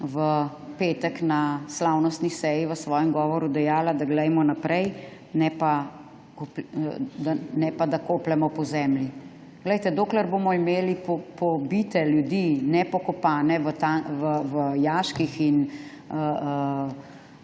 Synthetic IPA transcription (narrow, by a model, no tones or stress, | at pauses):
ʋə | peːt̪əknaslawnɔst̪nisɛjiʋəsʋɔːjɛmɡɔːʋɔɾud̪ɛjaːlad̪aɡlɛjmɔnapɾɛj | nɛpa | k | d̪anɛpad̪akoːplɛmɔpɔzɛːmlji | ɡləjt̪ɛd̪oːklɛɾboːmɔimeːlipɔpɔbit̪ɛljud̪inɛpɔkɔpaːnɛʋət̪aʋəʋəjaːʃkixin | ə